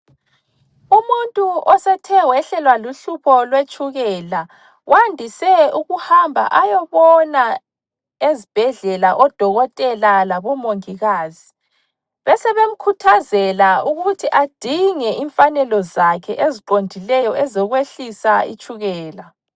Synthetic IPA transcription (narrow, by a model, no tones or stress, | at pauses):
umuntʼuʔɔsɛtʰɛwɛɬɛlwaluɬupʰɔlwet͡ʃʰʼuɣɛla | wʔandʱisɛuɣuhambʱa̰ʔajɔβɔna | ezib̥ʱɛɮɛlaʔɔd̥ʱɔɣɔtʼɛlalaβɔmoŋiɣaːzi | βɛsɛβem̩kʰutʰazɛlauɣutʰiʔad̥ʱiŋɛʔiɱfanɛlɔzakʰɛʔeziǃondʱilɛjɔʔɛzɔɣweɬisaḭt͡ʃʼuɣɛːla